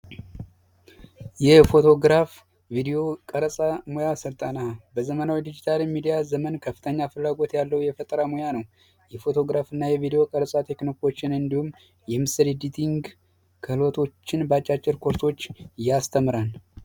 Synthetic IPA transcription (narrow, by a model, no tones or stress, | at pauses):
jɛfo̞t̪ʰo̞ɡɾaf | vid̪ijo̞kʼəɾəsʼamojasət̪ʼanabəzəmənawid̪id͡ʒit̪ʰalmid̪ijazəmənkʰəfːɨ̥t̪ʰəɲːafɨlːaɡo̞t̪jalːəwjɛfət̪ʼəɾamojanəw | jɛfo̞t̪ʰo̞ɡɾafɨnːajɛvid̪ijo̞kʼəɾəsʼat̪ʰe̞kno̞ko̞t͡ʃːɪnɨnd̪ihumː | jɛmɨsəɾid̪it̪ʰʼiŋɡ | kʰəhɨlo̞t̪ʰo̞t͡ʃːɪnbəat͡ʃʼat͡ʃʼːɪɾkʰoɾt̪ʰo̞t͡ʃːjast̪ʰəmɨɾan